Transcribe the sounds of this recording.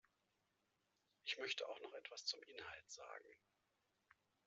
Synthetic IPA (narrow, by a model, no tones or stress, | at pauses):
ʔɪçmœçtəʔaʊxnɔχʔɛtv̥ast͡sʊmʔɪnhaltz̥a̰ːɡŋ̩